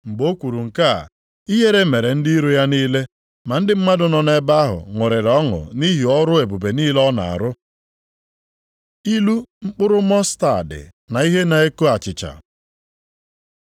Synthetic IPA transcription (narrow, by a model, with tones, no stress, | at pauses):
ŋ͡m̩˨ɡ͡bo˦kʷu˨ɾu˨ŋ̩˨ka̰˦˨ | i˦ɦe˦ɾe˦me˨ɾe˨n̩˦di˦ɾu˦ja˦niː˦le˦ | ma˨n̩˦dɪ˦m̩˦ma˦dʊ˨nɔ˨ne˦ba˦a˦ɦʊ̰˨ŋʊ˨ɾɪ˨ɾɔ˦ŋʊ̰˨ni˦ɦi˨ɔ˦ɾʊ˦e˨bu˨be˨niː˦lɔ˦na̰˨a̰˨ɾʊ˦ | i˦lu˦ŋ͡m̩˦k͡pʊ˦ɾʊ˦mɔ˦sta˨dɪ̰˨ | na˨i˦ɦe˦na˨e˦ko˦a˨t͡ʃɪ˨t͡ʃa̰˨